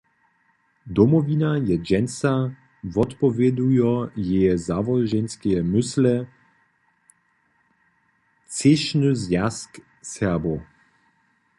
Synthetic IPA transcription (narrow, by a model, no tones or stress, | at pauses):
d̪ɔmɔvinajɛd͡ʒɛnsa | vɔt̪pɔvjɛd̪ujɔjɛjɛzavɔlʒɛnskɛjɛmʏslɛ | t͡seʃnɨzjask | sɛɐbo